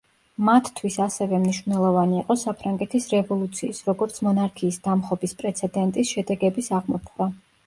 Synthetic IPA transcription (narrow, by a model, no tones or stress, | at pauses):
mat̪ʰt̪ʰwisasɛvɛmniʃvnɛlˠɔvaniːqʼɔsapʰɾaŋɡɛt̪ʰisɾɛvɔlˠut̪sʰiːsɾɔɡɔɾt̪sʰmɔnaɾkʰiːsd̪amχɔbispʼɾɛt̪sʰɛd̪ɛnt̪ʼisʃɛd̪ɛɡɛbisaʁmɔpʰχɾa